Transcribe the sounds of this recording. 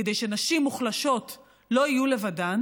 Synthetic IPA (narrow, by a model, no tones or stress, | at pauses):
ede̞jʃe̞naʃimːuχlaʃo̞t | lo̞ijule̞vadan